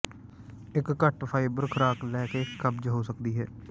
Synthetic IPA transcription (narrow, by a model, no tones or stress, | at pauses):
ɪkːəʈpʰaːiːbəɾkʰəɾaːklɛːkeːkʰəbd͡ʒɦoːsəkd̪iːɦɛː